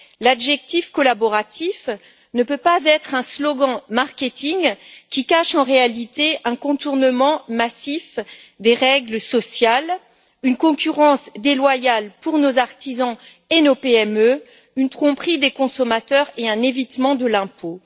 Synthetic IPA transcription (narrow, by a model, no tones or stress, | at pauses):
ladʒɛk̚t̪ifkɔlabɔʁat̪if | nəpøpazɛt̪χɛ̃slɔɡɑ̃maʁkʲet̪iŋkʲikaʃɑ̃ʁealit̪eɛ̃kɔ̃t̪uʁnəmɑ̃masifd̪eʁɛɡləsɔsjal | ynkɔ̃kʲyʁɑ̃sd̪elwajalpuʁnozaʁt̪izɑ̃ | enopeɛmø | ynt̪χɔ̃pχid̪ekɔ̃sɔmat̪œʁeɛ̃nevit̪mɑ̃d̪əlɛ̃po